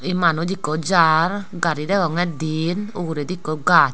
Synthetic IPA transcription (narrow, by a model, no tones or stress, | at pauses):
imanod͡ʒikod͡ʒaɾɡaɾidɛɡɔŋɛdinoɡuɾedikoɡat͡ʃ